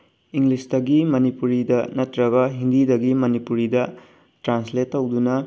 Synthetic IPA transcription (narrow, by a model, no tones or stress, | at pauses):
iŋlisdɐɡimɐnipuɾidɐnɐtɾɐɡɐɦindidɐɡimɐnipuɾidɐ | tɾansletːɐwdunɐ